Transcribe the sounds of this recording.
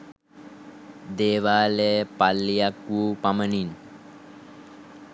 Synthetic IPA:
d̪eːʋaːlepalːijakʋupamənin

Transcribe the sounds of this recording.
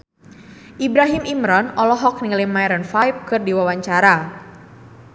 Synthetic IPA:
ʔibɾaɦimʔimɾɔnɔlɔɦɔk̚niŋlɪmaɛɾənfajp̚kɨrdiwawaɲt͡ʃaɾa

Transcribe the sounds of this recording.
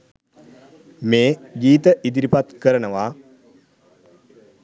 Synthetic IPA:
meːɡiːt̪əʔid̪iɾipat̪kəɾənəʋaː

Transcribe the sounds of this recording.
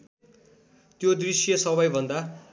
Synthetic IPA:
t̪jod̪risjʌsʌβʌjbʱʌnd̪a

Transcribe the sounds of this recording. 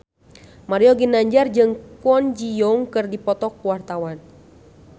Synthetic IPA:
maɾiɔɡinaɲd͡ʒard͡ʒɨŋkɔnd͡ʒijɔŋkɨrdipɔt̪ɔk̚wart̪awan

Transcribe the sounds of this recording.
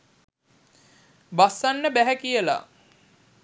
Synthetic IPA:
basːanːəbæɦækijəla̰

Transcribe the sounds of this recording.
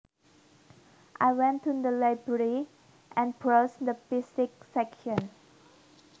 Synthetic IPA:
ʔa̰ɪwɛ̃ntudəlaɪbɹəɹi | ʔɛ̃npɹosd̪əpistɪk̚sɛkʃɔ̃n

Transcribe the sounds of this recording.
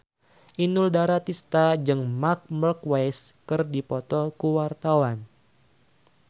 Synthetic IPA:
ʔinuldaɾat̪ist̪ad͡ʒɨŋmak̚mərkwajskɨrdipɔt̪ɔkuwart̪awan

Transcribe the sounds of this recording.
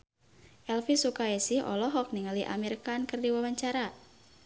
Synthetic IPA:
ʔɛlfisukaɛsihɔ̰lɔɦɔk̚niŋaliʔa̰mirkankɨrdiwawaɲt͡ʃaɾa

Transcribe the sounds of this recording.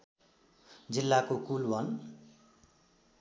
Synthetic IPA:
d͡zilːakokulbʱʌn

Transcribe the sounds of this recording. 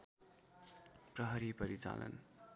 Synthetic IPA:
prʌɦʌɾipʌɾit͡sa̰lʌ̰n

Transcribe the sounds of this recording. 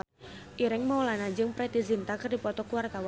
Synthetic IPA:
ʔiɾɪŋmawlanad͡ʒɨŋpɾɛt̪izint̪akərdipɔt̪ɔkuwart̪awa

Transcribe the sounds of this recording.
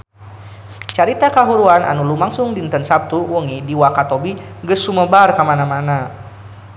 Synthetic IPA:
t͡ʃaɾit̪akaɦuɾuanʔa̰nulumaŋsʊŋdint̪ənsap̚t̪uwɔŋidiwakat̪obiɡəsuməbarkamanamana

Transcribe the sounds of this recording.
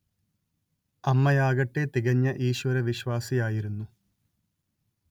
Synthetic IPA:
ɐmːɐjaːɣɐʈːet̪iɣɐɲːɐʔiːɕʋɐɾɐʋiɕʋaːsijaːjiɾunːu

